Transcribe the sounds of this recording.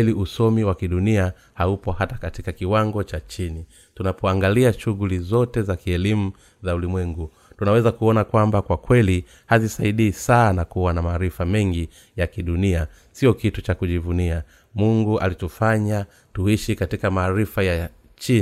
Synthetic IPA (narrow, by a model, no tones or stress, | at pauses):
ɛliʔusɔmiwakiɗunia | haupɔhatakatikakiwaŋɡɔt͡ʃat͡ʃini | tunapɔaŋɡaliaʃuɣulizɔtɛzakiɛlimu | zaulimwɛŋɡu | tunawɛzakuɔnakwambakwakwɛli | hazisaiɗiːsaːnakuwanamaːɾifamɛŋɡi | jakiɗunia | siɔkitut͡ʃakuʄivunia | muŋɡuʔa̰litufaɲa | tuiʃikatikamaːɾifaja | t͡ʃi